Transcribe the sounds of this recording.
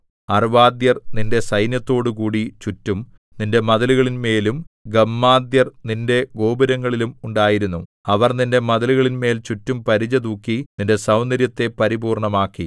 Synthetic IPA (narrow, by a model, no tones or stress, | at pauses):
ɐrʋaːd̪jɐrninde̞sɐjnjɐt̪ːo̞ːɽukuːɽit͡ɕutːum | ninde̞mɐðɐluɣɐɭinme̞ːlumɡɐmːaːd̪jɐrninde̞ɡo̞ːbɐɾɐŋːɐɭilumuɳɖaːjiɾunːu | ɐʋɐrninde̞mɐðɐluɣɐɭinme̞ːlt͡ɕutːumpɐɾid͡ʑɐd̪uːkːininde̞sɐwnɐɾjɐt̪ːe̞pɐɾibuːrɳɐmaːkːi